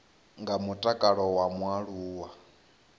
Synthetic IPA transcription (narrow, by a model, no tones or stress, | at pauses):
ŋɡamutʼakʼaɺɔwamwaɺuːwa